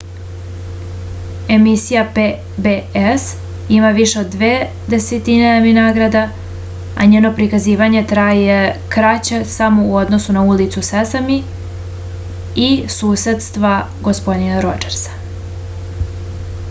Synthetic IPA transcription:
e̞misijape | bees | imaʋiʃe̞o̞d̪ːʋeː | d̪eset̪ineaminaːɡɾad̪a | a̰ɲeːno̞pɾikaziːʋaɲe̞t̪ɾaːje̞kɾat͡ɕesamouo̞d̪no̞sunaulit̪susesami | isuːse̞t̪st̪ʋa | ɡo̞spo̞d̪inaɾo̞d͡ʒeɾsḁ

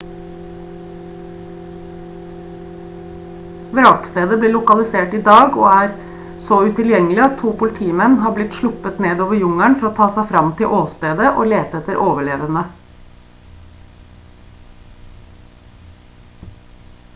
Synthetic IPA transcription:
ʋɾɑːkst̪eːd̪əbleːlʊkɑlɪseːʈiːd̪ɑːɡo̰ːæːɾ | sɔʉt̪ʰɪljɛŋəlɪɑt̪t̪ʰːuːpʊlɪt̪ʰiːmɛnɦɑːblɪt̪ʃlʊpət̪neːd̪oːʋəɾjʊŋæɳfɔɾoːt̪ʰɑːsæɪfɾɑmt̪ʰɪlʔoːst̪eːd̪əʔoːleːt̪əɛt̪əɾʔoːʋəɭeːʋənə

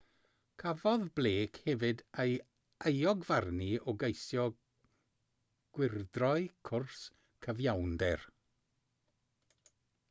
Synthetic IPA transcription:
kʰavɔðbleːkʰhɛvɨdej | ejɔɡvarniɔɡejsjɔ | ɡ̥wɪrdrɔɨkʰʊrs | kʰəvjawndɛr

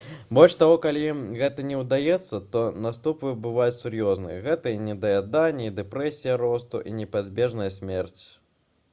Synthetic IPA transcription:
bɔlʲt͡ʃt̪aɣɔkalʲiɣɛt̪ɐnʲɛwd̪ajɛt̪sːɐt̪ɔnast̪upvɨbɨvajut͡sʲsʲurjɔznɨ̰jɐ̰ɣɛt̪ɐjɛnʲɛd̪ɐjad̪anʲːɛid̪ɛpɾɛsʲijɐɾɔst̪ṵʔḭnʲɛpad͡zʲbʲɛʐnɐjɐsʲmʲɛrt͡sʲ

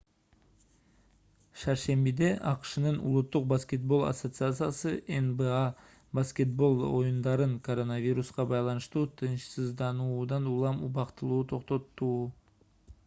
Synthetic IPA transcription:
ʃɑɾʃe̞mbid̪e̞ʔɑqʃənənṵlˠʊt̪ːʊq̚baskʲe̞t̪̚bo̞lˠa̰sot̪sɨat̪sɨjasɨʔenba | baskʲe̞t̪̚bo̞lˠo̞jund̪ɑɾɯŋkʰo̞ɾo̞navʲiɾusqɑbɑjlˠɑnəʃt̪uːt̪ʰɯnʃsəzd̪ɑnuːd̪ɑnulˠɑmubɑqt̪əlˠuːt̪ʰo̞qt̪ot̪ːuː

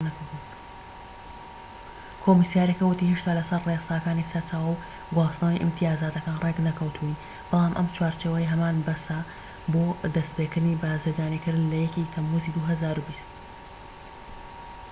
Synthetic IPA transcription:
nɐku | kʰoːmisijaːɾjɐkɐwɨt̪iːheʃt̪aːlɐsɐrresaːkaːnisɐɾt͡ʃʰaːwɐw | ɡwaːsnawiʔɨ̰mt̪ʰijaːzaːd̪ɐkaːnreɡnɐkʰɐwt̪ʰui | b̥ɑlˠaːmʔɐ̰mt͡ʃʰwaːɾt͡ʃeːwɐjɦɐmaːnbɐsa | boːd̪ɐst̪pekɨɾd̪ɨnibaːzɨɾd̪aːnikɨɾd̪ɨnlɐjɛkit̪ʰɐmːuziːd̪uːɦɐzaːɾubist̪̚

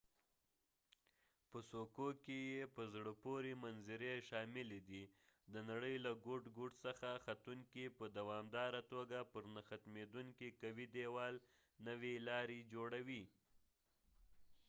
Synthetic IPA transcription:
pəsokokejepəzɽəpoɾimanzɪɾeʃɑmɪled̪id̪ənaɽəjlaɡoʈɡuʈsaxaxat̪uŋkipəd̪awɑmd̪ɑɾat̪oɡapəɾnaxat̪med̪uŋkikawid̪ewɑl | nəwilɑɾed͡ʒoɽawi

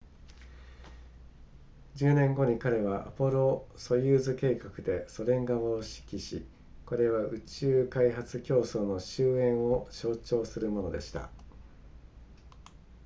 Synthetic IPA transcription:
d͡ʑɨːnẽ̞ŋɡo̞ɲ̟ikaɾe̞βaʔa̰po̞ɾo̞so̞jɯːzɨke̞ːkakɯ̟d̪e̞so̞ɾẽ̞ŋɡaβaːɕi̥kʲiɕi | ko̞ɾe̞βaɯ̟t͡ɕɨːkaiɦat͡sɨkʲo̞ːso̞no̞ɕɨːẽ̞ɰ̃o̞ɕo̞ːt͡ɕo̞ːsɨɾɯ̟mo̞no̞d̪e̞ɕi̥t̪a̰

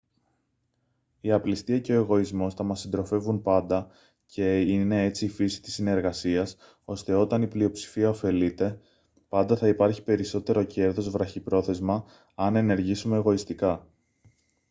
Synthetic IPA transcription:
iɐplist̪iɐce̞o̞e̞ɣo̞izmo̞st̪ɐmɐsːind̪ɾo̞fe̞vunpɐnd̪ɐ | cʰe̞ine̞e̞t͡siːfisi̥t̪isːine̞ɾɣɐsiɐs | o̞st̪e̞o̞t̪ɐniplio̞psi̥fiɐofe̞lit̪e̞ | pɐnd̪ɐθɐipɐɾçi̥pe̞ɾiso̞t̪e̞ɾo̞ce̞ɾðo̞zvɾɐçipɾo̞θe̞zmɐ | ɐne̞ne̞ɾʝisume̞ːɣo̞ist̪ikɐ

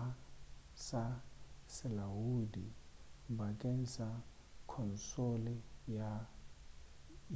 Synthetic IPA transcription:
sasɛlawudibakʼensa | kʰɔnsolija

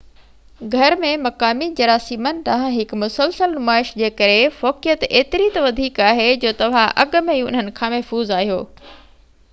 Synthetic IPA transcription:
ɡʱɐɾmẽmɐkaːmid͡ʑɐɾaːsiːmənɪ̆t̪ɐʋ̤ãɦɪkmʊsəlsəlnʊmaːɪʃd͡ʑeːkɐɾefɔːkijət̪eːt̪ɪɾit̪ɐʋɐd̪ʱiːkaːɦed͡ʑoːt̪ɐʋ̤ãʔɐɠ̆mẽiʊ̰n̤ɦənɪ̆kʰãːmɐɦfuːzaːɦijo̰ː

